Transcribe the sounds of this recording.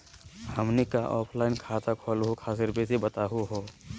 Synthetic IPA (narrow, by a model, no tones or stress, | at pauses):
hɐmnekaʔɔːpʰlaːɪnkʰaːt̪akʰɔːlɦokʰaːs̬ɪɾbesebɐt̪aːɦoɦoː